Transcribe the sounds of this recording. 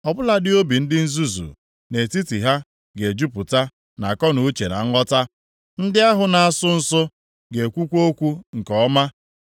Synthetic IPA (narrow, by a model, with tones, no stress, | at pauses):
ɔ˨bʊ˦la˨dɪ˦o˦bi˨n̩˦dɪ˦n̩˦zu˦zṵ˨ | ne˨ti˦ti˨ɦa˦ | ɡe˨d͡ʒu˦pʊ˨ta˦ | na˨kɔ˦nu˨u˦t͡ʃe˨na̰˨ŋ̩˦ɔ˦ta˦ | n̩˦dɪ˦a˦ɦʊ˨na˨a˦˨sʊ˦n̩˦sʊ˦ | ɡe˨kʷu˦kʷo˦kʷu˦ŋ̩˨kɔ˨˦ma˦